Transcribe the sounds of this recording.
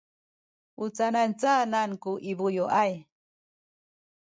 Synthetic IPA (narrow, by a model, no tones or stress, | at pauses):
ut͡sanant͡saːnaŋkuʔibujoʔaj